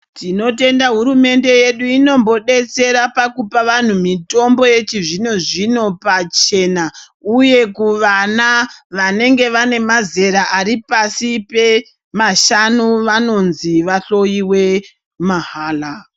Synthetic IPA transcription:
tino̞te̞ndaɦuɾume̞nde̞je̞ɗuino̞mbo̞ɗe̞t͡se̞ɾapakupaʋan̤umito̞mbo̞je̞t͡ʃiʐino̞ʐino̞pat͡ʃe̞na | uje̞kuʋanaʋane̞ŋɡe̞ʋane̞maze̞ɾaʔaɾipasipe̞ | maʃanuʋano̞nziʋaɬo̞jiwe̞ | maɦaːla

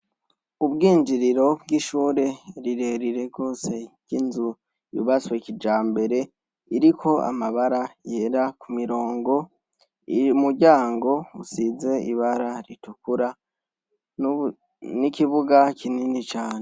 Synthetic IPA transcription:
ubɡiːnd͡ʒiɾiɾo̞bɡiːʃuːɾe̞ɾiɾe̞ɾiɾe̞ɡo̞ːse̞ɟ̥inzu | jṵβat͡swekid͡ʒaːmbe̞ɾe̞ | iɾikʰo̞a̰maβaɾaje̞ːɾakumiɾo̞ːŋɡo̞ | iumuɟaːŋɡo̞usize̞iβaɾaɾitukuɾa | nikiβuɡakʰininit͡ʃaːne

